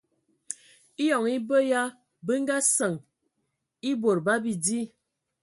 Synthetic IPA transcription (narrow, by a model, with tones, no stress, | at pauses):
i˦jɔ˨ŋi˦bə˦ja˦ | bə˦ŋ̩˦ɡa˦sə˨ŋ | i˦bo˨ɾba˦bi˨di˦